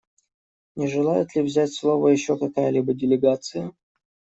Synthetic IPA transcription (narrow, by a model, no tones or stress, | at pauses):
nʲɪʐɨlˠajɪt̪lʲɪvzʲætʲslˠo̞vəjɪɕːokɐkajəlʲibədʲɪlʲɪɡat̪sɨjə